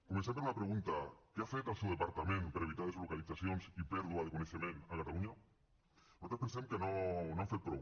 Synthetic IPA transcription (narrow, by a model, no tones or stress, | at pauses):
komẽnsenounapɾeɣunt̪akeafet̪alsewðepaɾt̪amẽnpeɾaeβit̪aðezlokaliθaθjonsipeɾðuaðekoneθjomẽnakat̪aluɲa | bsot̪ɾospẽnsemkenõnõafet̪̚pɾo̰